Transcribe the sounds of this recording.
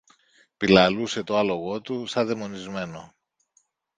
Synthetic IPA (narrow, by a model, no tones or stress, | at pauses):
pilɐluse̞t̪oɐlo̞ɣo̞t̪usɐðemo̞nizme̞no̞